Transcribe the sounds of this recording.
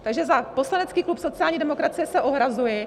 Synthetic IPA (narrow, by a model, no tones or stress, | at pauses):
t̪aɡʒɛzapo̞slanɛt͡skiːklupso̞t͡sɪjaːlɲiːdɛmo̞kɾat͡sɪjɛsɛʔo̞ɦɾazujɪ